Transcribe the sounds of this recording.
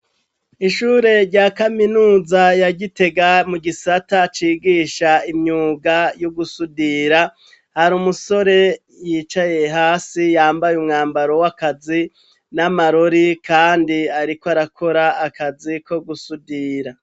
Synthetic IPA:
iʃuːɾe̞ɾɟakaminuːzajaɟite̞ɡamuɡisatat͡ʃiːɡiːʃaimɲuːɡajoɡusudiɾa | haɾuːmuso̞ɾe̞ | jiːt͡ʃaje̞ɦaːsijaːmbajumŋaːmbaɾo̞wakazi | namaɾoɾikʰaːndiaɾikoaɾakʰo̞ɾaːkaziko̞ɡusudiːɾa

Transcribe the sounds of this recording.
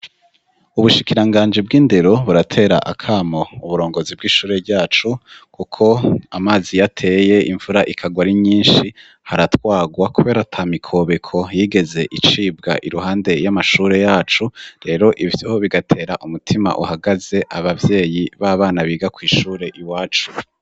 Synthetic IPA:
uβuʃikiɾaŋɡaːnd͡ʒib̚ɡiːnde̞ɾo̞βuɾatʰe̞ːɾa̰ʔa̰kʰaːmouβuɾo̞ːŋɡo̞zib̚ɡiːʃuːɾe̞ɾɟaːt͡ʃukukʰo̞amaːzijatʰe̞je̞iɱvuɾaʔikʰaɡwaɾiɲiːnʃi | haɾatwaːɡwakuβe̞ːɾatʰamikʰo̞βekʰo̞jiːɡe̞ze̞ʔit͡ʃiːb̚ɡa̰ʔiɾuɦaːnde̞jamaʃuːɾe̞jaːt͡ʃuɾe̞ɾo̞ʔivjoβiɡatʰe̞ːɾaʔumutʰima̰ʔuhaɡaze̞ʔaβavje̞ːjiβaːβaːnaβiːɡakwiːʃuːɾe̞ʔiwaːt͡ʃu̥

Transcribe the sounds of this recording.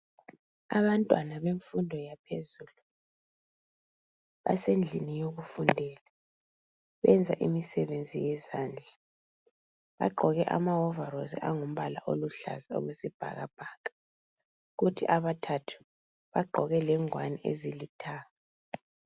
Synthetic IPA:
a̰βantʼwanaβeɱfundʱɔjapʰezulu | βa̰send͡ɮʱinijoɣufundʱɛːla | βɛnd͡zʱaʔimisɛβend͡zʱijɛzaːnd͡ɮʱa | βa̰ɡ͡ǃʱɔɣɛʔa̰maɔvarozḭʔaŋum̩βala̰ʔoluɬa̰zio̰ɣusib̥ʱa̰ɣa̰b̥ʱaːkḁ | ɣutʰḭʔaβatʰatʰu̥ | βaɡ͡ǃʱɔɣɛlɛŋwaniʔḛzilitʰaːŋa

